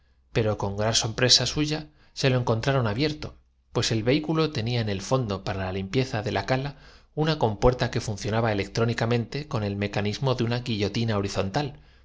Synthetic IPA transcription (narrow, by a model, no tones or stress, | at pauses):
pe̞ɾo̞ko̞ŋɡɾanso̞mpɾe̞sasuʝa | se̞lo̞e̞ŋko̞nt̪ɾaɾo̞naβje̞ɾt̪o̞ | pwe̞se̞lβe̞ikulo̞t̪e̞niaene̞lfo̞nd̪o̞paɾalalimpje̞θaðe̞lakala | unako̞mpwe̞ɾt̪ake̞fun̟θjo̞naβaele̞k̚t̪ɾo̞nikamẽ̞nt̪e̞ko̞ne̞lme̞kanizmo̞ðeunaɣiʝo̞t̪inao̞ɾiθo̞nt̪al